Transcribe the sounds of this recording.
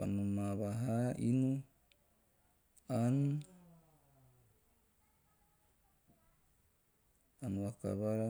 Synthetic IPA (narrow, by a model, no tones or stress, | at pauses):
a̰numaβaɦaʔinu | an | anuwaka̰βaɾa